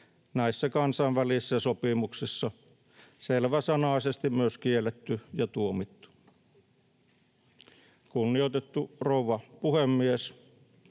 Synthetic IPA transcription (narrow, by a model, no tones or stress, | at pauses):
næisːækɑnsɑʋʋælisːæsopimuksisːɑ | selʋæsɑnɑˑisest̪immyøskielet̪ːyjɑt̪uomit̪ːu̥ | kunːiot̪et̪ːurouʋɑpuhemːies